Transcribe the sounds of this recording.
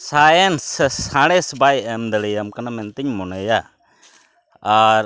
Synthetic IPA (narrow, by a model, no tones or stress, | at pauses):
sajɛnsːãɽ̃ɛsbajɛmd̪əɽɛjamkanamɛnt̪ɛɲmɔnɛja | aɾ